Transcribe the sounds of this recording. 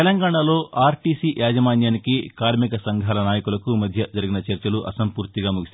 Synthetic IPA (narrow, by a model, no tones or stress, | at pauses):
ɛlɐŋɡaːɳɐlo̞ːʔaːɾʈiːsijaːd͡ʒɐmaːɲjaːnikikaːɾmikɐsɐŋɡʱaːlɐnaːjɐkulɐkumɐd̪ʱjɐd͡ʒɐɾiɡinɐt͡ʃɐɾt͡ʃɐluʔɐsɐmpuːɾt̪iɡaːmuɡist̪